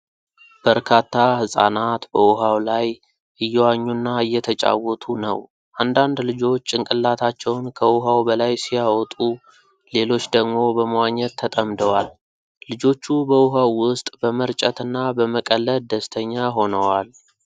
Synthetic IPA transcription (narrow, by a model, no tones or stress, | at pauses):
b̥əɾkʰat̪ːahɨsʼa̰nat̪bəʊɦawlaj | ʔɨjːɛwaɲːunːaɨjːɛt̪ʰət͡ʃʼa̰wːɔt̪ʰunə̰w | ʔand̪and̪lɨd͡ʒo̞t͡ʃːɨŋkʼɨlːat̪ʰat͡ʃːɛwnkʰəʔʊɦawbəlajsijawɔt̪ʼu | le̞lo̞t͡ʃːd̪əɡmo̞bəməwaɲːɛt̪ʰːət̪ʼəmd̪əwalː | ɨd͡ʒo̞t͡ʃːubəʊɦawːʊst̪ʼbəməɾt͡ʃʼət̪ɨnːabəməkʼəlːəld̪əst̪ʰəɲːaɦo̞nəwal